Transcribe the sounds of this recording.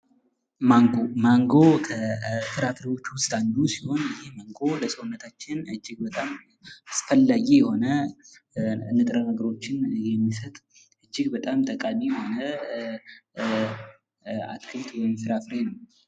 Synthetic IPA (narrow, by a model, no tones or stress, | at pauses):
maŋɡomaŋɡo̞kʰəfɨɾafɾewo̞t͡ʃːwʊst̪ʼand̪usiho̞njɪhemaŋɡo̞ləsəwʊnːət̪ʰat͡ʃːɪnɨd͡ʒːɪɡ̚bət̪ʼam | asfəlːaɡijɛho̞nə | ɨnːɨt̪ʼɾənəɡəɾo̞t͡ʃːɪnjɛmːisət̪ʼ | ʔɨd͡ʒːɪɡbət̪ʼamt̪ʼəkʼamijɛho̞nə | a̰t̪kʰɨlt̪wɔjɪmfɨɾafɾenəw